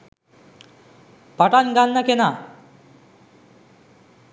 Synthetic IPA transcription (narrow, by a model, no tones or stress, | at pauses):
pʌʈanɡanːakena